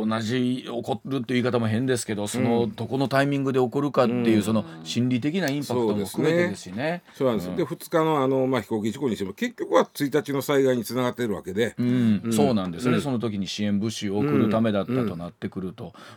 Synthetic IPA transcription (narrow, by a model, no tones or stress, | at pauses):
onaʑioko̞ɾɯ̟t̪ːeikat̪amo̞ɦẽ̞nd̪es̬ɨ̥ke̞d̪o̞so̞no̞d̪o̞ko̞no̞t̪aimʲĩŋɡɯ̟d̪e̞o̞ko̞ɾɯ̟kat̪ːe̞jɯ̟ːso̞no̞ɕĩnɾʲit̪e̞kʲinaĩmpakoɯt̪omoɸkɯme̞t̪ed̪esɕine̞soːnãnd̪esd̪eɸɯ̟t͡sɨ̥kano̞ano̞maçi̥ko̞ːk̬ʲiʑikoɲitemke̞kʲːo̞kɯ̟βat͡sɨit̪at͡ɕino̞saiɡaiɲ̟it͡sɨnaɡat̪ːeɾɯ̟βa̰ke̞d̪e̞ɯ̟̃sso̞ːnãnd̪e̞sɨne̞so̞no̞t̪̬o̞kʲiɲ̟iɕiẽ̞mbɯ̟ɕioːkɯ̟ɾɯ̟t̪ame̞d̪at̪ːat̪o̞nat̪ːe̞kɯ̟ɾɯ̟t̪o̞